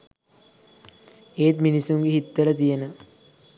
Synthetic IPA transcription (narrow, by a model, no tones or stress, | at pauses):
eːt̪minisuŋɡeɦit̪ːələt̪̬ijenə